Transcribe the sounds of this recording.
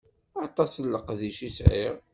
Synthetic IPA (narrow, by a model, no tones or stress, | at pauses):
ɑt̪ˤɑslːəqðiʃisʕḭʁ